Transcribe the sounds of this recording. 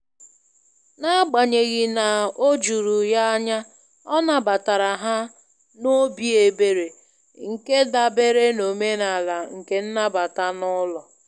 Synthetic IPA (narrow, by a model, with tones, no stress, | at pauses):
na˦ɡ͡ba˨ɲe˨ɣɪ˨na˨o˦d͡ʒu˨ɾu˨ja˦ɲa˦ | ɔ˦na˨ba˨ta˨ɾa˨ɦa˦ | no˦bi˨e˨be˨ɾe˨ | ŋ̩˨ke˦da˨be˦ɾe˦no˨me˦na˨la˨ŋ̩˨ke˦n̩˦na˦ba˨ta˦nʊ˦lɔ˨